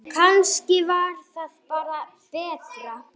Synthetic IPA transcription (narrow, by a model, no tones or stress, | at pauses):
kʰanscɪvaɾ̥θaðpaːɾa | pɛːt̪ɾa